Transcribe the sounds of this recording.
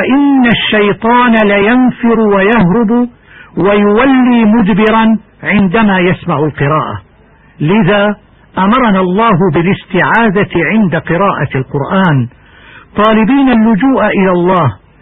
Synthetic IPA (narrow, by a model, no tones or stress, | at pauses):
ʔɪnːaʃːajt̪ˤɑːnalajanfɪɾwajahɾʊb | wajʊwalːiːmʊd̪bɪɾan | ʕɪnd̪amaːjasmaʕʊlqɨɾɑːʔa̰ | lɪðaː | ʔamɑɾˤɑnaːɑlˤːɑːɦʊbɪlɪst̪ɪʕaːd̪aʕɪnd̪aqɨɾɑːʔalqʊɾʔaːn | t̪ˤɑːlɪbiːnalːʊd͡ʒuːʔaʔɪlaːlˤːɑːh